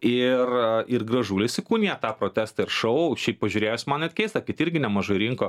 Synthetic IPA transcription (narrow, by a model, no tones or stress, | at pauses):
ɪrɪrɡrɐʒuːlʲɪsʲɪkuːnʲijɛt̪ɑːpɾoːt̪ʲæːst̪ɐɪrʃɐʊʃʲɛɪppɐʒʲuːɾʲeːjoːsʲmɐnɛt̪ʲkʲɛɪst̪ɐkʲɪt̪ɪɾʲɡʲɪnʲɛmɐʒɐɪɾʲiŋkoː